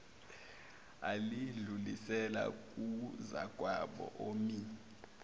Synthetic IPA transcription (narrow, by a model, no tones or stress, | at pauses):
aliɮulisɛla̰k̬ʼuza̰ɡ̥ʱwaɓɔ̰ʔomi